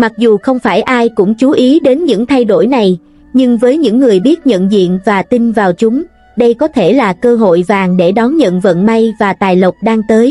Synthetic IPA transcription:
ma˨˩k̚zu˨˩xə˧wŋ͡mfaː˧˩jʔaː˧jkʊ̰˧˥ŋ͡mt͡ɕu˨˦ʔi˨˦ɗe˨˦nɲɨ̰˧˥ŋt̪ʰa˧jɗo˧˩jna˨˩j | ɲɨ˧ŋvəː˨˦jɲɨ̰˧˥ŋːɨ˨˩əjɓi˦˥ət̚ɲə̰˧˨nzḭ˧˨ənvaː˨˩t̪i˧nvaː˨˩wt͡ɕʊ˨˦ŋ͡m | ɗə˧jkɔ˨˦t̪ʰe˧˩laː˨˩kəː˧ɦo̰˧˨jvaː˨˩ŋɗe˧˩ɗɔ˨˦nɲə̰˧˨nvə̰˧˨nma˧jvaː˨˩t̪aː˨˩jlə˨˩wk͡p̚ɗaː˧ŋt̪əː˨˦j

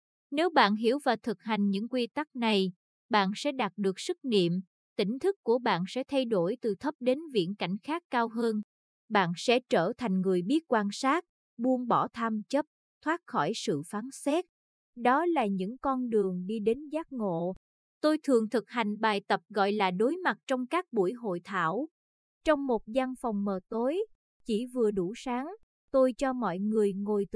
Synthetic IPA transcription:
ne˨˦wɓa̰ː˧˨nɦi˧˩əwvaː˨˩wt̪ʰɨ˨˩k̚ha˨˩jŋ̟ɲɨ̰˧˥ŋkwi˧t̪a˦˥k̚na˨˩j | ɓa̰ː˧˨nsɛ̰˧˥ɗaː˨˩t̚ɗɨ˨˩ək̚sɨ˦˥k̚nḭ˧˨əm | t̪ï˧˩ŋ̟t̪ʰɨ˦˥kːu˧˩əɓa̰ː˧˨nsɛ̰˧˥t̪ʰa˧jɗo˧˩jt̪ɨ˨˩t̪ʰə˦˥p̚ɗe˨˦nvḭ˧˨ənka˧˩jŋ̟xaː˦˥kːaː˧wɦəː˧n | ɓa̰ː˧˨nsɛ̰˧˥t͡ɕəː˧˩t̪ʰa˨˩jŋ̟ŋɨ˨˩əjɓi˦˥ət̚kwaː˧nsaː˦˥t̚ | ɓu˧ənɓɔ˧˩t̪ʰa˧mt͡ɕə˦˥p̚ | t̪ʰwaː˦˥t̚xɔ˧˩jsɨ̰˧˨faː˨˦nsɛ˦˥t̚ | ɗɔ˨˦laː˨˩ɲɨ̰˧˥ŋkɔ˧nɗɨ˨˩əŋɗi˧ɗe˨˦nzaː˦˥t̚ŋo̰˧˨ | t̪o˧jt̪ʰɨ˨˩əŋt̪ʰɨ˨˩k̚ha˨˩jŋ̟ɓaː˨˩jt̪ə˨˩p̚ɣɔ̰˧˨jlaː˨˩ɗo˨˦jma˨˩t̚t͡ɕɔ˧wŋ͡mkaː˦˥k̚ɓṵ˧˩əjɦo̰˧˨jt̪ʰa̰ː˧˩w | t͡ɕɔ˧wŋ͡mmo˨˩t̚za˧nfɔ˨˩wŋ͡mməː˨˩t̪o˨˦j | t͡ɕi˧˩vɨ˨˩əɗu˧˩saː˨˦ŋ | t̪o˧jt͡ɕɔ˧mɔ̰˧˨jŋɨ˨˩əjŋo˨˩jt̪

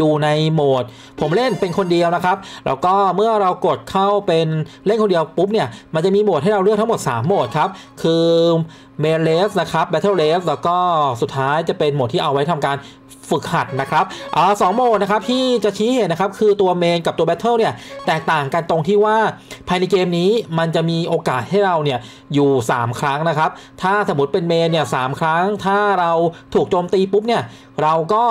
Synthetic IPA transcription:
juː˨˩na˧jmoː˨˩t̪̚ | pʰo˩˦mle˥˩npe˧nkʰo˧ndi˧əwna˦˥kʰa˦˥p̚lɛ̰ː˦˥wkɔː˥˩mɯ˥˩ɐɾa˧wko˨˩t̪̚kʰa˥˩wpe˧nle˥˩nko˧ndi˧əwpu˦˥p̚ni˥˩ɐma˧nt͡ɕa˨˩miː˧mo˨˩t̪̚ɦa˥˩jɾa˧wɾɯ˥˩k̪̚ʰa˦˥mo˨˩t̪̚saː˩˦mːoː˨˩t̪̚kʰɾa˦˥p̚ | kʰɯː˧ | meː˧nleː˦˥sna˦˥kʰɾa˦˥p̚bɛ˦˥t̪ʰɤː˥˩leː˦˥slɛː˦˥wkɔː˥˩su˨˩t̪ʰːaː˦˥jt͡ɕa˨˩pe˧nmo˨˩t̪ʰiː˥˩ʔa˧wːa˦˥jt̪ʰa˧mkaː˧n | fɯ˨˩k̚ha˨˩t̪̚na˦˥kʰɾa˦˥p̚ʔɤː˨˩sɔː˩˦ŋmoː˨˩t̪na˦˥kʰa˦˥p̚t̪ʰiː˥˩t͡ɕa˨˩t͡ɕʰiː˦˥ɦeː˨˩t̪̚na˦˥kʰa˦˥p̚kʰɯː˧t̪u˧ɐmeː˧nka˨˩p̪̚u˧ɐbɛ˦˥t̪ʰːɤː˥˩ni˥˩ɐt̪ɛː˨˩k̚t̪aː˨˩ŋka˧nt̪o˧ŋt̪ʰiː˥˩waː˥˩pʰaː˧jna˧jkeː˧mniː˦˥ma˧nt͡ɕa˨˩ʔmiː˧ʔoː˧kaː˨˩t̪̚ha˥˩jɾa˧wni˥˩ɐ | juː˨˩saː˩˦mkʰɾa˦˥ŋna˦˥kʰɾa˦˥p̚t̪ʰaː˥˩so˩˦mːu˦˥t̪̚pe˧nmeː˧nːi˥˩ɐsaː˩˦mkʰɾa˦˥ŋt̪ʰaː˥˩ɾa˧wt̪ʰuː˨˩k̚t͡ɕoː˧mt̪iː˧pu˦˥p̚ni˥˩ɐ | ɾa˧wkɔː˥˩

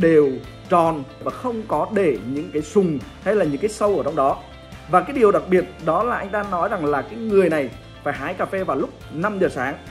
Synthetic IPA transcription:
ɗe˨˩w | t͡ɕɔ˨˩nvaː˨˩xə˧wŋ͡mkɔ˨˦ɗe˧˩ɲɨ̰˧˥ŋkaː˨˦jsʊ˨˩ŋ͡mha˧jlaː˨˩ɲɨ̰˧˥ŋkaː˨˦jsə˧wʔəː˧˩t͡ɕa˧wŋ͡mɗɔ˨˦ | vaː˨˩kaː˨˦jɗi˨˩əwɗa˨˩k̚ɓi˨˩ət̚ɗɔ˨˦laː˨˩ʔa˧jŋ̟t̪aː˧nɔ˨˦jza˨˩ŋlaː˨˩kaː˨˦jŋɨ˨˩əjna˨˩j | faː˧˩jɦaː˨˦jkaː˧˩fe˧vaː˨˩wlʊ˦˥k͡p̚na˧mzəː˨˩saː˨˦ŋ

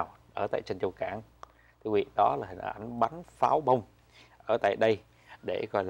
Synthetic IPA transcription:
w | ʔəː˧˩t̪a̰ː˧˨jt͡ɕe˧nt͡ɕə˧wkaː˧˩n | t̪ʰɨ˧əvḭ˧˨ɗɔ˨˦laː˨˩hï˨˩ŋ̟ʔa̰˧˩jŋ̟ɓa˨˦nfaː˨˦wɓə˧wŋ͡m | ʔəː˧˩t̪a̰ː˧˨jɗə˧j | ɗe˧˩kɔ˧jl

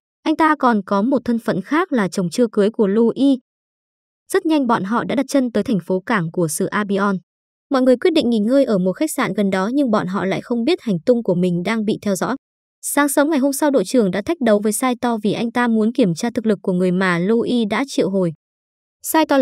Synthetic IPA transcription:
ʔa˧jŋ̟t̪aː˧kɔ˨˩nkɔ˨˦mo˨˩t̚t̪ʰə˧nfə̰˧˨nxaː˦˥k̚laː˨˩t͡ɕə˨˩wŋ͡mt͡ɕɨ˧əkɨ˨˦jku˧˩əlu˧ʔi˧ | z̥ə˦˥t̚ɲa˧jŋ̟ɓɔ̰˧˨nɦɔ̰˧˨ɗa̰ː˧˥ɗa˨˩t̚t͡ɕə˧nt̪əː˨˦jt̪ʰɛ˨˩ŋ̟fo˨˦kaː˧˩ŋku˧˩əsɨ̰˧˨ʔaː˧ɓi˧ʔɔ˧n | mɔ̰˧˨jŋɨ˨˩əjkwt̚ɗḭ˧˨ŋ̟ŋi˨˩ŋəː˧jʔəː˧˩mo˨˩t̚xa˦˥k̚sa̰ː˧˨nɣə˨˩nɗɔ˨˦ɲɨ˧ŋɓɔ̰˧˨nɦɔ̰˧˨la̰ː˧˨jxə˧wŋ͡mɓi˦˥ət̚ha˨˩jŋ̟t̪ʊ˧ŋ͡mku˧˩əmï˨˩ŋ̟ɗaː˧ŋɓḭ˧˨t̪ʰɛ˧wzɔ̰˧˥ | saː˨˦ŋsə˨˦wŋa˨˩jɦo˧msa˧wɗo̰˧˨jt͡ɕɨ˨˩əŋɗa̰ː˧˥t̪ʰa˦˥jk̚ɗə˨˦wvəː˨˦jsaː˧jt̪ɔ˧vi˨˩ʔa˧jŋ̟t̪aː˧mu˨˦ənki˧˩əmt͡ɕaː˧t̪ɨ˨˩k̚lɨ˨˩kːu˧˩əŋɨ˨˩əjmaː˨˩lu˧ʔi˧ɗa̰ː˧˥t͡ɕḭ˧˨wɦo˨˩j | saː˧jt̪ɔ˧

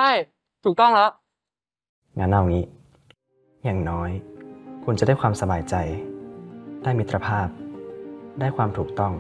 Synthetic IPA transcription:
a˥˩j | t̪ʰuː˨˩k̚t̪ɔ˥˩ŋlɔ˦˥ʔ | ŋa˦˥nʔa˧˩wŋiː˦˥ | jaː˨˩ŋnɔː˦˥jkʰu˧nt͡ɕa˨˩˦daː˥˩jkʰwaː˧msa˧baː˧˩jt͡ɕa˧j | daː˥˩jmi˦˥t̪ʰːɾa˧pʰaː˥˩p̚ | daː˥˩jkʰwaː˧mt̪ʰuː˨˩k̚t̪ɔ˥˩ŋ

